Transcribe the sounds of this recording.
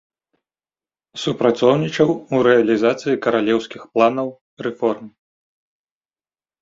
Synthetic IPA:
supɾat̪sɔwnʲit͡ʂɐwuɾɛɐlʲizat̪sɨjikɐɾalʲɛwskʲixplˠanɐw | rɛfɔrm

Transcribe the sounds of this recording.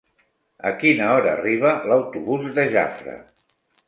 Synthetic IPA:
əkinəɔɾə̰ːriβ̞ələwt̪uβuzðəʒa̰fɾə̰

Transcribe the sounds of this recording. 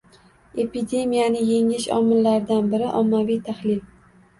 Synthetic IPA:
e̞pid̪e̞mijanɪje̞ŋɪʃɒ̰mɪlːaɾɪd̪anbɪɾɪʔɒmːavijt̪ʰahlɪl

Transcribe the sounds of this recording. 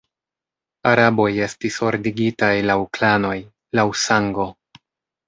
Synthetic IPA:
aɾabo̞je̞stiso̞ɾdiɡitajlawklano̞j | lawsaŋɡo̞

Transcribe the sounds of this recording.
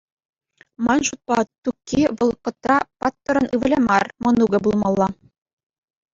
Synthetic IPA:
mɑnʃut̪̚pɑt̪ukːiʋɤ̆lˠqːɤ̆t̪rɑpɑt̪ːɤ̆ɾɤ̆nʔɯβɘ̆lʲemɑrmɤ̆nuɡɘ̆bulˠmɑlˠːɑ

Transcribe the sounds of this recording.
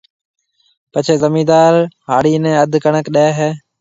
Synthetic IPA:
pət͡ʃʰeːzəmiːd̪aːɾɦaːɽiːnɛ̃ːəd̪ʱkəɳəkɗeːɦɛː

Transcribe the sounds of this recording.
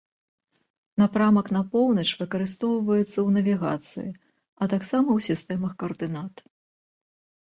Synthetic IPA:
napɾamɐknɐpɔwnɐt͡ʂvɨkɐɾɨst̪ɔwvɐjɛt̪sːɐwnɐvʲiɣa̰t̪sɨ̰ji | ɐt̪aksamɐwsʲist̪ɛmɐxkɐɐrd̪ɨnat̪

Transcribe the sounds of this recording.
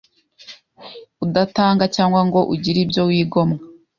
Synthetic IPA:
udataːŋɡacaːŋɡwaŋɡo̞ʔuɟiɾibjo̞wiːɡo̞mŋa

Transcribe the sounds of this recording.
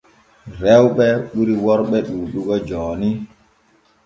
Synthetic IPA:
ɾɛwɓɛɓuɾiwɔɾɓɛɗuːɗuɡɔd͡ʒɔːni

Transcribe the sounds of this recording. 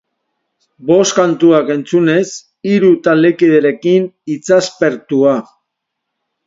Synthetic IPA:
bo̞skant̪uake̞nt͡sune̞s | iɾut̪alekið̞eɾe̞kinit͡saspe̞ɾt̪ua

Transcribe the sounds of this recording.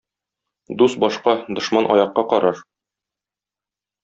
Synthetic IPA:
d̪usbɒʃqɑd̪ŏʃmɑnʔɒ̰jɑqːɑqɒɾɑɾ

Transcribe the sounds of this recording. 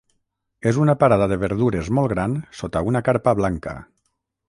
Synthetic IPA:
ezunapaɾað̞aðeβeɾðuɾezmɔlˠɡɾansot̪aunakaɾpaβlaŋka̰

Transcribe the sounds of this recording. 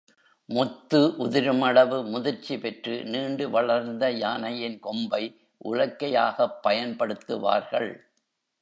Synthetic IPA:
mʊt̪ːɯʔʊðɪɾɯmɐɭɐʋɯmʊðɪɾt͡ʃipɛʈrɯ̰niːɳɖɯʋɐɭɐɾnd̪ɐjaːnɐjɪnkɔmbɐɪ | ʔʊ̰ɻɐkːɐjaːɣɐpːɐjɐnpɐɽɯt̪ːɯ̰ʋa̰ːɾɣɐɭ

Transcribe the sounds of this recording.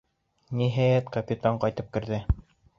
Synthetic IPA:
niɦæjæt̪kɐpʲit̪aɴqɑjt̪ɤp̚kɘ̆ɾðɘ

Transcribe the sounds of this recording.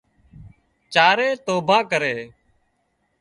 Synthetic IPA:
t͡ʃaːɾeːt̪oːbʱãːkəɾeː

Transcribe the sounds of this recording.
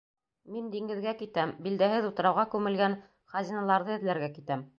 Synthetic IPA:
mind̪iŋɡɘ̆ðɡækit̪æmbild̪æhɘðut̪ɤ̆ɾɑwʁɑkʉmɘ̆lɡæn | χɑzʲinɑlˠɑɾðɤɘ̆ðlæɾɡækit̪æm

